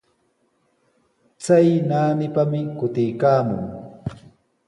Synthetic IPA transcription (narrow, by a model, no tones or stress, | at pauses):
t͡sajnaːnɪpamɪkʊt̪ɪjkaːmʊ̰ŋ